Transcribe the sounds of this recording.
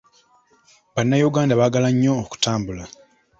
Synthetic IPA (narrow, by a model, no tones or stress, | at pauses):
βanːajuɡaːndaβaɡalaɲːo̞ːku̥taːmbula